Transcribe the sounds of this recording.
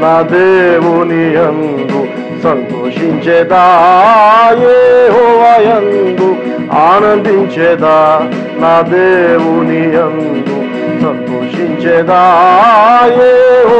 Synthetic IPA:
naːd̪eːʋunien | d̪u | sɐnt̪oːʂiɲt͡ʃɛːd̪aː | jeːɦɔːʋaːjɐnd̪u | aːnɐnd̪iɲt͡ʃɛːd̪aː | naːd̪eːʋunien | d̪u | sɐnt̪oːʂiɲt͡ʃɛːd̪aː | jeːɦ

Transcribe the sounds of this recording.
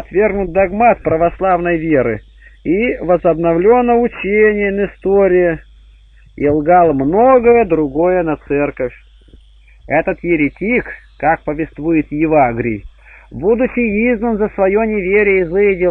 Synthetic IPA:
ɐt̪vʲe̞rɡnʊt̪̚d̪ɐɡmat̪̚pɾəvɐslˠavnəjvʲeɾɨ | ivəzɐbnɐvlʲo̞nːəʊt͡ɕenʲɪjənɪst̪oɾʲɪjɪ | ɪlˠɡalˠmnoɡəjəd̪ɾʊɡojənɐt̪sɛrkəfʲ | ɛt̪ət̪jɪɾʲɪtʲik | kak̚pəvʲɪst̪vujɪt̪jɪvaɡɾʲɪ̰j | bud̪ʊt͡ɕːɪjiznənzəsvɐjonʲɪvʲeɾʲɪjəizɨjɪdʲɪ

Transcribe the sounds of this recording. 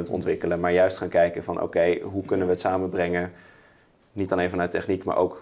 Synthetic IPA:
ntɔ̰ntʋɪkələmaːɹjœɥstχaːnkɛjkəvɑnʔo̰kejɦukɵnənʋəːtsaːmənbrɛŋə | nitɑlejnfɑnœɥtɛχnikma̰ːɹʔo̰wk

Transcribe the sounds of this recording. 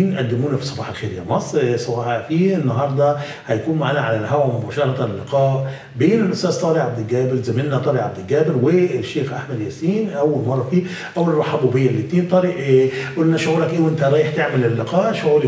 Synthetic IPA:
nʔad̪ːɪmuːnafi̥sˤːɑbɑːħalxeːɾja̰mɑsˤsˤɑbɑːħafiːɪnːaɦɑɾˤd̪ˤɑ | hajakuːnmaʕaːnaʕalalɦawamʊbaːʃɑɾˤɑt̪ɑlːɪqɑːʔ | beːnɪlʔʊst̪æːzt̪ˤɑːɾiʕab̚d̪ɪlɡæːbɪɾzamɪnːat̪ˤɑːɾiʕab̚d̪ɪlɡæːbɪɾwɪʃːeːxʔaħmad̪jæːsiːnʔawːalmɑrˤːɑfiː | ʔawːalrˤɑħabubɪjːalːɪt̪ːiːnt̪ˤɑɾiːʔʔulːnaʃʊʕuːɾakʔeːwʔɪnt̪aɾˤɑːjɪħt̪ɪʕmɪlɪlːɪqɑːʔʃʕuːɾl

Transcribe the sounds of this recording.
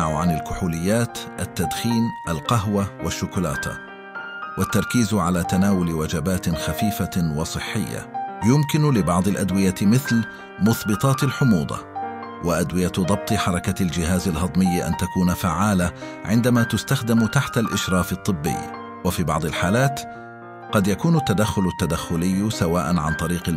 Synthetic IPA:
aʕʊʕanalkʊħuːlɪjːaːt̪ʔat̪ːad̪xiːmʔalqɑɦwawaʃːʊkʊla̰ːt̪a̰ | wat̪ːɑɾˤkiːzʕalaːt̪anaːwʊlwad͡ʒabaːt̪ɪxafiːfawɑsˤɨħːɪjːa̰jʊmkɪnlɪbɑʕd̪ˤɪlʔad̪wɪjamɪθl | mʊθbɨt̪ˤɑːt̪alħʊmuːd̪ˤɑ̰ | wʔaʔad̪wɪjad̪ˤɑb̚t̪ˤɨħɑɾˤɑkald͡ʒɪɦaːzalɦɑd̪ˤmɪjːʔa̰nt̪akuːnafaʕːaːla | ʕɪnd̪amaːt̪ʊst̪axd̪ɪmt̪aħt̪alʔɪʃɾˤɑːfɨt̪ˤːɨbːɪ̰jː | wafiːbɑ̰ʕd̪ˤɪlħaːlaːt̪ | qɑd̪jakuːnʊt̪ːad̪axːʊlʊt̪ːad̪axːʊlɪjːsawaːʔanʕa̰nt̪ˤɑɾiːqɪ

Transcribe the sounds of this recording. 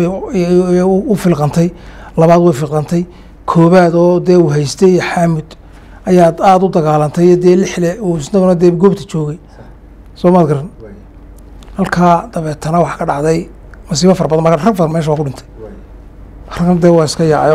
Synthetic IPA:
ʊfɪlqɑnt̪ʰɛj | lɐβaːd̪wɛjfɪlqɐnt̪ʰɛj | kʰɔːβaːd̪ɔːd̪ɛːuɦɛjst̪ʰɛħaːmɪd̪̥ | ɐjaːd̪aːd̪ʊd̪ɐɣaːlɐnt̪ʰɛjɔd̪ɛːlɪħlɛusnɐɣɔnɐd̪ɛːɡɔːbt̪ʰɐ̥t͡ʃɔːɣɛj | sɔːmaːd̪ɡɐɾɐn | hɐlkʰaːd̪̥ɐβɛːt̪ʰɐnɐwɑħkʰɐɖɑʕd̪ɛj | mʊs̬iːβɐfɐrbɐðɐnmɐkʰarɐɡfɐmɛːʃɐwaːkʰʊɖɪnt̪ʰɛj | rɐɡkʰnd̪ɛːwɑːɪskʰɐjaʕ

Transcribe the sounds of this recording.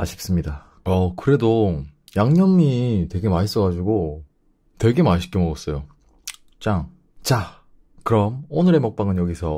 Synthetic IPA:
aɕʰi̥p̚s͈ɯmɲida | ʌkɯɾe̞do | jaŋɲʌmitwe̞ɡe̞mais͈ʌɡad͡ʑuɡo | twe̞ɡe̞maɕʰi̥k͈ʌmʌɡʌs͈ʌjo | t͡ɕ͈aŋ | t͡ɕa | kɯɾʌmonɯɾe̞mʌk̚p͈aŋɯnjʌɡisʰʌ

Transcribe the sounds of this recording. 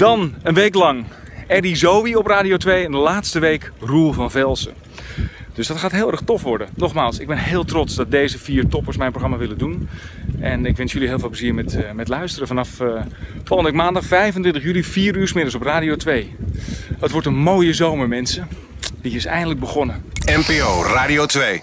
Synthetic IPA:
d̥ɑnənʋejklɑŋɛdizowʋiɔpraːdiowtʋejɛndəlaːtstəʋejkrulˠvɑnvɛlˠsə̰ | d̥øsdɑtχaːtɦɪːlˠɛrɹχtɔfʋɔɹdənɔχmaːlˠsɪɡ̚bɛnɦɪːlˠtrɔtsdɑt̚dejzəviːɹtɔpəɹsmɛjnproxrɑmaːʋɪlədunʔɛnɪkʋɪnsjəliɦeɪːlˠvɪːlpləziːɹmɛtmɛtlœɥstərəvɑnɑfffɔlˠəndəʋɪkmaːndɑχfɛjvəntʋɪntəχjylifiːɾyːɹsmɪnəs̬ɔpraːdiotʋej | ətʋɔɹtənmoːjəzowməɹmɛnsə | diɪsɛ̰jəndələɡ̚bəχɔnəɛmpeoːraːdiotʋej

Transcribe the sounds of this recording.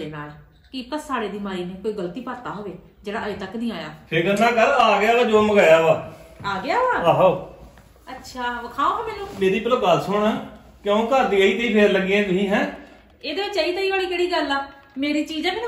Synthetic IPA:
eːnaːl | kit̪əsaːɽeːd̪iːmaːiːneːkoːiːɡəlt̪iːpəɾt̪aːɦoːʋeː | d͡ʒeːɽaːeːt̪əknĩːaːja̰ːpʰeːɾɡənːãːkəɾaːɡɪaːlaːd͡ʒoːməɡaːjaːoaːaːɡɪaːɦoːaːaːɦoː | ətːʃʰaːkʰaːoːɦɛːmɛːnũːmeːɾiːpəloːɡəlsʊɽ̃aː | kjõːkəɾd̪iːəiːt̪iːpʰeːɾləɡiẽːkɪĩːɦɛ̃ː | eːd̪eːʋɪt͡ʃəiːt̪aːiːʋaːɽiːkeːɽiːɡəlaː | meːɾiːt͡ʃiːd͡ʒãːkɪn

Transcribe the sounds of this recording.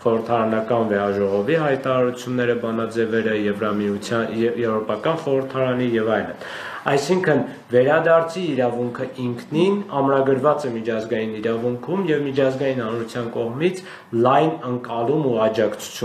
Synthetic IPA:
χɔɾəɾt̪ʰɑɾɑnɑkɑnvɛɑʒɔʁɔviɦɑjt̪ɑɾɑɾut͡sʰjunːɛɾəbɑnɑd͡zɛvɛɾəɛvujɛvɾɔpɑkɑnχɔɾəɾt̪ʰɑɾɑnijɛvɑjlə̰n | ɑjsiŋkʰən | vɛɾɑd̪ɑɾt͡sʰiːɾɑvuŋkʰəʔiŋkʰninɑmɾɑɡəɾvɑt͡sɛmit͡ʃʰɑzɡɑjiniɾɑvuŋkʰumjɛvmit͡ʃʰɑzɡɑjinhɑnɾut͡sʰjɑnkɔʁmit͡sʰ | lɑjnəŋkʼɑlumuɑd͡ʒɑkt͡sʰu̥t͡sʰju

